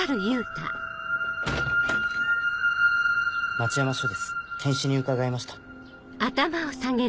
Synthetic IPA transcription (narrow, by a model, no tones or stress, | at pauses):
aɾɯ̟jɯ̟ːt̪a̰ | mat͡ɕijamaɕoːd̪e̞sɨ̥k̪ʰẽɰ̃ɕiɲ̟iɯ̟kaɡaimaɕi̥t̪ḁ | at̪amao̞saŋe̞